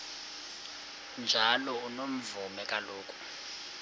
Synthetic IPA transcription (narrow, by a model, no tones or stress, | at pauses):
nd͡ʒʱalɔunom̩vumɛkʼaloːkʼu̥